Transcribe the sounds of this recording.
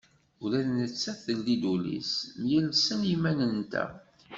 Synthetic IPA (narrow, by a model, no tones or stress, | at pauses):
ulæðnət͡sːæθəlːid̪ulḭsmjəlsənimænənt̪æ̰